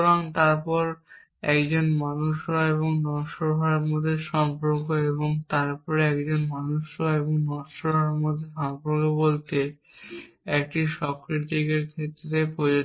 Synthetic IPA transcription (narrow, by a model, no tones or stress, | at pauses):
ɾaŋt̪aɾpɔɾ | ɛkd͡ʑonmanuʃɾaeβoŋnɔʃoɾɦaɾmod̪ʱːeʃɔmpoɾkoeβoŋt̪aɾpɔɾeɛkd͡ʑonmanuʃɾoeboŋnɔʃoɾɦaɾmod̪ʱːeʃɔmpoɾkobolt̪e | ɛk̚ʈiʃɔkɾit̪ikeɾkʰet̪ːɾepod͡ʑo